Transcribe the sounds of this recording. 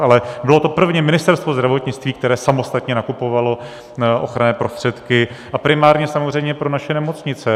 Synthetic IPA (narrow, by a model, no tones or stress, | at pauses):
ʔalɛbɪlo̞t̪o̞pr̩vɲɛmɪnɪst̪ɛɾst̪vo̞zd̪ɾavo̞t̪ɲɪt͡st̪viːk̚t̪ɛɾɛːsamo̞st̪at̪ɲɛnakupo̞valo̞ | ʔo̞xɾanɛːpɾo̞st̪r̥ɛt̪kɪʔapɾɪmaːɾɲɛsamorɛjmɲɛpɾo̞naʃɛnɛmo̞t͡sɲɪt͡sɛ